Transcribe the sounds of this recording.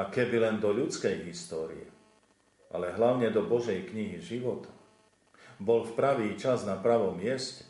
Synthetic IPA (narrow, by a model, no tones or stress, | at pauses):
akɛbilɛnd̪ɔʎut͡skɛjɦist̪ɔːɾḭɛ̰ | ʔa̰lɛɦlaʊɲɛd̪ɔbɔʒɛjkɲiɦiʒiʋɔt̪ʰḁ | bɔlfpɾaʋiːt͡ʃaznapɾaʋɔmːɪɛscɛ̥